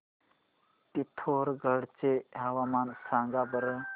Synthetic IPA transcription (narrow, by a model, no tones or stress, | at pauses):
t̪it̪ʰoɾɡəɽt͡seɦaʋamansãŋɡabəɾə